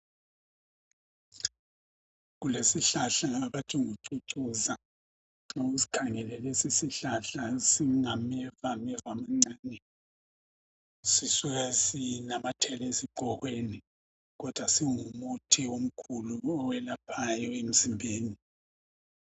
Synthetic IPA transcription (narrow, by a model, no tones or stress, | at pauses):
ɣulesiɬaɬaːβatʰuŋuǀuǀuza | oɣusi̥kʰaŋɛlɛlɛsisiɬaɬasiŋamɛvamɛvamaŋ͡ǀaːnɛ | sisuɣasinamatʰɛlesiǃɔɣweni | ɣɔd̥ʱwasiŋumutʰiwom̩kʰuluɔwɛlapʰajɔem̩zimbʱeːni